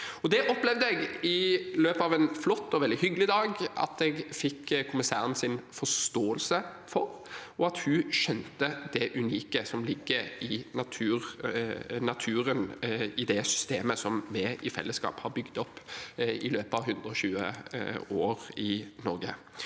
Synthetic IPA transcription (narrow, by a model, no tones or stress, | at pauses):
ɔd̪ɛʔɔplɛʋd̪əɛɡɪløːpəɑːʋɛnflɔt̪ːɔʋɛld̪ɪhʏɡlɪd̪ɑːɡɑ̰t̪ɛɡfɪkːkʰʊmɪsæ̰ːʁənsɪnfɔst̪oːəlsə | fɔɾ | ɔɑt̪hʉʃɛnt̪əd̪ɛʔʉniːkəsɔmlɪɡːəɪnɑt̪ʰʉːɾ | nɑt̪ʰʉːɾənɪd̪ɛsʏ̥st̪eːməsɔmmɛʔɪfɛ̰lːəskɑ̰ːphɑɾbʏɡd̪ɔpːɪløːpəɑʋɦʉnd̪ɾəɔɕʉːə̰oːɾɪnɔɾɡə̰